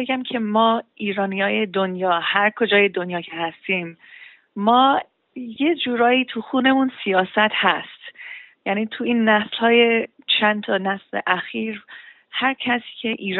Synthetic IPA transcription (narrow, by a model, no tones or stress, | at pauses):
eɡæmcʰe̞mɒːiːɾɒːnijɒːjed̪o̞njɒːhæɾkʰo̞d͡ʒɒːje̞d̪o̞njɒːkʰehæst̪iːmː | ɒː | je̞d͡ʒuːɾɒːiːt̪ʰuxune̞munsijɒːsæt̪hæst̪jæniːt̪ʰuiːnːæslhɒːje | t͡ʃʰænt̪ʰɒːnæslḛʔæxiːɾ | hæɾcʰæsi̥ːcʰe̞ʔiːɾ